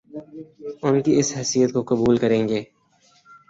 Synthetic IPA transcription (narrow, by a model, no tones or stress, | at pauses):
ʊnkiɪsɦɛːsijət̪kokɐbuːlkɐɾẽːŋɡeː